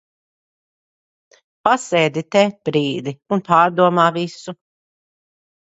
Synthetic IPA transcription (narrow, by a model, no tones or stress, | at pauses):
pasɛːd̪it̪ɛb̥ɾiːd̪iunpaːɾd̪uɔmaːvisu